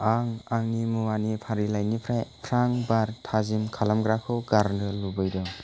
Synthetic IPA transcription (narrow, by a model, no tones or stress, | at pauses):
aŋaŋnimuwanipʰaɾilajnipʰɾpʰɾaŋbaɾtʰazimkʰalamɡɾakʰɯwɡaɾndɯlubɯjdɔ